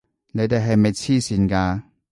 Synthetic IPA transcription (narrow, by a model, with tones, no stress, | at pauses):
ne˨˧jt̪e˨jɦɐ˨jme˨jt͡sʰiː˥siː˨˧nkaː˧